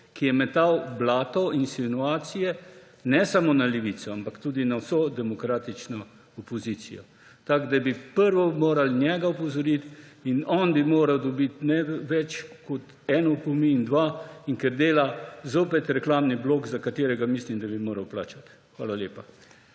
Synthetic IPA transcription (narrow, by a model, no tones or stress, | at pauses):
kijɛmɛt̪awblaːt̪ɔinsinuaːt̪sijɛ | nɛsamonalɛʋit̪sɔampakt̪uːd̪inawsod̪ɛmɔkɾaːt̪it͡ʃnɔ | ɔpɔzit̪sḭjɔ̰ | t̪aɡd̪abipəɾʋɔmoːɾalnʲjɛɡaɔpɔzɔɾit̪inɔnbimoːɾɐwd̪ɔbit̪nɛʋɛt͡ʃkɔt̪ | ɛnɔkɔmiːnd̪ʋaiŋkɛɾd̪eːlazoːpɛt̪ɾɛklaːmnibloːkzakat̪eːɾɛɡamislimd̪abimoːɾɐwpla̰ːt͡ʃat̪ | xʋaːlalʲjeːpa